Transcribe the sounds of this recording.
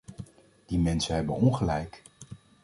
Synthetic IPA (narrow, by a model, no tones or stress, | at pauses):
d̥imɛnsənɦɛbənɔnχəlɛjk